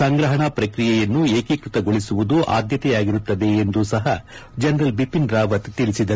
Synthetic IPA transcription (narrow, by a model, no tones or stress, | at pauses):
sɐŋɡɾɐɦɐɳɐpɾɐkɾijɛjɐnːueːkikɾut̪ɐɡoɭisuʋud̪uʔa̰ːd̪jɐt̪ɛjaːɡiɾut̪ːɐd̪e̞ːnd̪usɐɦɐ | d͡ʒɐnɾɐlbipinɾaːʋɐt̪t̪iɭisid̪ɐ